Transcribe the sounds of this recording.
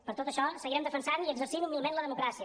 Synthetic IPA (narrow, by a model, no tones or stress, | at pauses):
pəɾt̪ot̪əʃɔsəɣiɾɛmd̪əfənsaniəɡzəɾsimumilˠmenləðəmukɾasiə